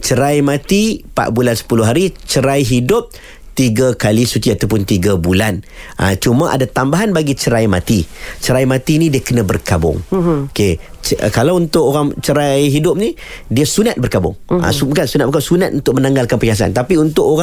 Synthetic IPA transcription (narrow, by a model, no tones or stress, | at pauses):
t͡ʃəɾajmãt̪ipa̰ʔ̚bulansə̥pulʊɦaɾit͡ʃəɾajɦidʊp̚ | t̪iɡakalisut̪iat̪awpʊnt̪iɡabulanʔa̰t͡ʃumə̃ʔa̰dat̪ambaɦanbaɡit͡ʃəɾajma̰t̪it͡ʃəɾajmat̪inidiəkənə̃bə̰rkabʊ̰ŋoke | t͡ʃkalawunt̪ʊʔoɾaŋt͡ʃəɾajɦidʊp̚ni | diəsunat̪̚bərkabʊ̰ŋa̰ubkansunat̪̚bəkasunat̪̚unt̪ʊkʔ̚mənaŋɡalkanpəɲas̬a̰nt̪apiunt̪ʊʔoɾa